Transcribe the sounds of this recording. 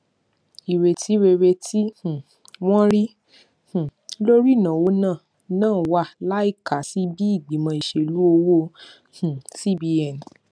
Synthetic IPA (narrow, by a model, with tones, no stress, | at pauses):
i˨ɾe˨tʰi˨˦ɾe˧ɾe˧tʰi˦h̩˨ | w̃ɔ̃˦ɾi˦ | hũ˨lo˦ɾi˦˨nã˨wo˦nãː˦˨ | nãː˦˨˦wa˦˨la˨˦i˦˨ka˨˦si˨˦bi˦i˦˨ɡ͡bi˨˦mã˧i˨ʃe˧lu˨˦o˧wo˦ | hũ˨si˦bi˧ɛ˨n˨